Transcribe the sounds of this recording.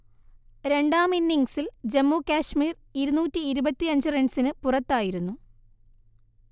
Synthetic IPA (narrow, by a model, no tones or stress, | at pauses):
ɾe̞ɳɖaːminːiŋɡsild͡ʑemːuːkaːʂmiːr | iɾunuːtːiːɾubɐt̪ːiɐɲd͡ʑɨreɳɖsinɨpurɐt̪ːaːjiɾunːu